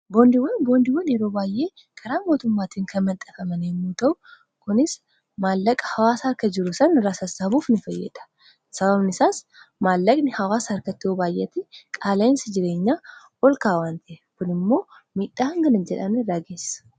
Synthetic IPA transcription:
bo̞ːnd̪ɪwɐnbo̞ːnd̪ɪwːɐnjɛɾo̞ːbaːjʔe̞ː | kʰɐɾaːmo̞ːt̪ʊmːaːt̪iːŋkʰɐnmɐnt̪ʼːɐfɐmɐnemːuːt̪ɐʔʊ | kʊnɪs | maːlːɐkʼːɐ̥hɐwaːshɐɾkɐd͡ʒɪɾʊsɐnɪrːaːsɐsɐbuːfnɪfɐjːɛ̰ᶑ̪ɐ̥ | sɐbɐbnɪsaːs | maːlːɐkʼnɪhɐwaːshɐɾkɐt̪ːɪoːbaːjʔɛt̪ːɪkʼaːlɐnsɪd͡ʒɪɾe̞ːɲːaː | ɔlkaːwaːnt̪ɐʔɛkʊnɪmːo̞ː | miːᶑːaːhɐŋɡɐnɪnd͡ʒɛᶑɐnɪrːaːɡe̞ːsːɐ̥

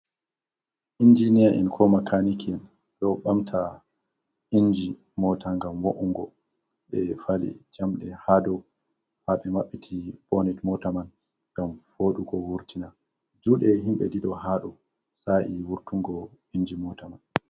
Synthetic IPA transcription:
ʔind͡ʒinijaʔɛ̰nkʰɔmakʰanikɛn | ɗɔɓamtʰa | ʔind͡ʒi | mɔtaŋɡamwoʔuŋɡɔ | ɓɛfalḭd͡ʒamɗɛhadɔ | haɓɛmaɓːitʰib̥onitmɔtaman | ŋɡamfoɗuɡɔwuɾtina | d͡ʒuɗɛɦimɓɛ̰diɗɔhaɗɔ | saʔiwuɾtuŋɡɔ | ind͡ʒimɔtaman

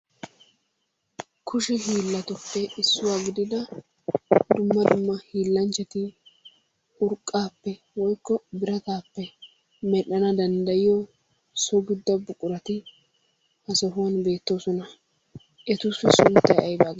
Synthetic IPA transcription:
kʰʊʃɪɦiːlːɐt̪ʊpːɛɪsːʊwaːɡɪd̪ɪd̪ɐ | d̪ʊmːɐd̪ʊmːɐhiːlːɐnt͡ʃːɛt̪ɪ | ʊɾkʼːaːpːɛ | wɔjkːɔbɪɾɐt̪aːpːɛ | mɛɗːɐnɐd̪ɐnd̪ɐjɪjɔ | sɔɡɪd̪ːɐbʊkʼːʊɾɐt̪ɪ | hɐsɔɦʊwɐnbe̞ːt̪ːo̞ːsɔnɐ | ʔɛt̪ʊsɪsʊnt̪ːɐjɐjbaːɡ

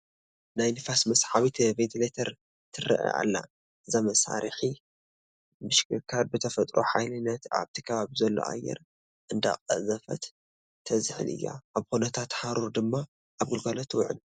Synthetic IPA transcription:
najnɨfasmɐsħaβit̪ʰvet̪ʰilet̪ʰɐɾ | t̪ʰɨrɐ̰ʔa̰ʔa̰lːa̰ | ʔɨzamɐsa̰ɾħi | mɨʃkʰɨkʰaɾbɨt̪ʰɐfɐt̪ʼɾʔoħajlɨnːɐt̪a̰βt̪ʰɨkʰɐβaβizɐlːo̞̰ʔa̰jɛ̰ɾ | ʔɨnd̪a̰kʼɐ̰zɐfɐt̪ʰː | ɐzɨħɨ̰lʔɨ̰jːa̰ʔaβxonɐt̪ʰat̪ħaɾuɾd̪ɨmːa | ʔaβɡɨlɡalot̪ʰwʕɨ̰l

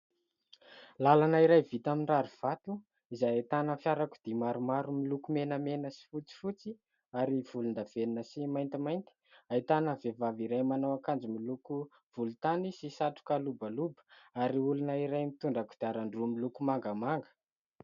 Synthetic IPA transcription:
lalanaiɾajvit̪aminraɾuv̥at̪u | izajet̪anəfjaɾaku̥d̪̥imaɾumaɾumilukumenəmenəsi̥fut͡si̥fut͡si | aɾiv̥ulund̪av̥eninəsimajnt̪imajnt̪i̥aet̪anəvevaviɾajmanawakand͡zimiluku | v̥ulut̪anisisaʈ͡ʂu̥kalubalubə̥aɾiulunəiɾajmit̪uɳɖ͡ʐakud̪̥eaɾaɳɖ͡ʐumilukumaŋɡəmaŋɡə̥

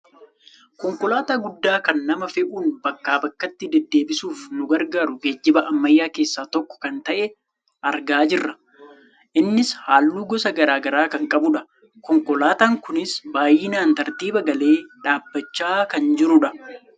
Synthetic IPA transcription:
kɔŋkɔlaːt̪aːɡʊd̪ːaːkɐnːɐmɐfɛʔuːnbɐkːaːbɐkːɐt̪ːɪd̪ɛd̪ːe̞ːbɪsuːfnʊɡɐɾɡaːɾʊɡeːd͡ʒːɪbɐʔɐmːɐjːaːke̞ːsːaːt̪ɔkːɔ̥kɐnt̪ɐʔɛ | ʔɐɾɡaːd͡ʒɪrːɐ | ʔɪnːɪshaːlːuːɡɔsɐɡɐɾaːɡɐɾaːkɐŋkʼɐbʊᶑɐ | kɔŋkɔlaːt̪aːŋkʊnɪsbaːjɪnaːnt̪ɐɾt̪iːbɐɡɐle̞ːᶑaːbːɐt͡ʃːaːkɐnd͡ʒɪɾʊᶑɐ

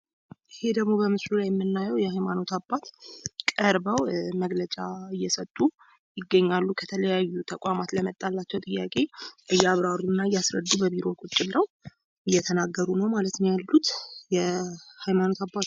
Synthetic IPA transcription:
ʔɨhe̞d̪əɡmo̞bəmɨslulajɛmːɨnːajɛwjɛhajmano̞t̪ʰabːat̪kʼəɾbəwməɡlət͡ʃʼaɨjːɛsət̪ʼːu | jɪɡːəɲːalːukʰət̪ʰələjajːut̪ʰəkʼamat̪ləmət̪ʼalːat͡ʃːɛwt̪ʼɨjːakʼe̞ʔɨjːɛaβɾaɾunːaɨjːasɾə̰d̪ːubəβiɾo̞kʼut͡ʃʼːɪlːəw | ʔɨjːɛt̪ʰənaɡːəɾunəwmalət̪njalːut̪jɛhajmano̞t̪ʰabːat̪

